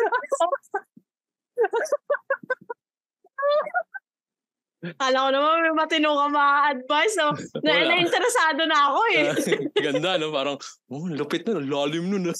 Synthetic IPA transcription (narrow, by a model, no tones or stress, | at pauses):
kaːlɐkonɐmanmɐmɐt̪ɪnuːkɐmɐʔɐd̪̚vajsonɐʔnɐʔɪnt̪ɛɾɛsaːd̪o̞nɐɐko̞ɛɡɐnd̪anopaːɾɐŋ | olʊpɪt̪̚nʊnlaːlɪmnʊnɐ